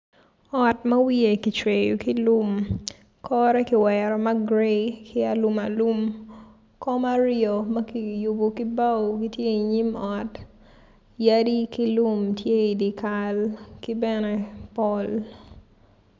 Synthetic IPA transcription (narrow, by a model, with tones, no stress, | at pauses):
ɔ˨tmɐ˦wie˨ki˨t͡ʃwejo˨ki˦lu˦m | kʰɔɾɛ˦kɪ˨wɛɾɔ˨ma˦ɡɾekʰɪ˦a˨luma˨lu˦m | kɔ˦ma˦ɾo˨mɐ˦ki˨jʊ˨bo˨ki˦ba˦wkitje˦i˨ɲi˦mɔ˨t | ja˦di˦ki˦lu˦mtje˦i˨di˨kalki˦bɛnɛ˦pɔl